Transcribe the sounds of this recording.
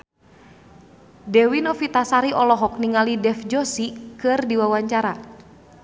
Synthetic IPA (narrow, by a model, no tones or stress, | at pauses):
dɛwinɔfit̪asaɾiʔɔlɔɦɔk̚niŋalidɛfd͡ʒɔsikɨrdiwawaɲt͡ʃaɾa